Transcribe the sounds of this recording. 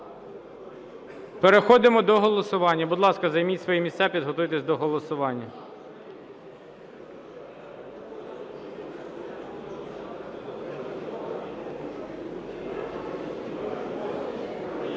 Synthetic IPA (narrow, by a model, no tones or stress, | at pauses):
peɾexɔd̪ɪmɔd̪ɔɦɔlˠɔsʊʋɑnʲːɐbud̪lˠɑskɐzɐjmʲitʲsʋɔjɛmʲist̪ɛpʲid̪ɦɔt̪ujt̪esʲd̪ɔɦɔlˠɔsʊʋɑnʲːɐ